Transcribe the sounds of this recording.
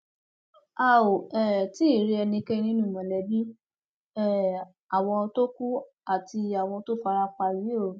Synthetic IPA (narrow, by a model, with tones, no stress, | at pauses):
a˦˨o˨ɛ˦˨ti˦˨ɾi˧ɛ˧nĩ˧kɛ˦nĩ˦nũ˦˨mɔ̃˨lɛ˨˦bi˦ | ɛ˦˨ | a˨w̃ɔ̃˧to˦ku˦ | a˨ti˧a˨w̃ɔ̃˧to˦fa˧ɾa˧k͡pa˧ji˨˦o˦˨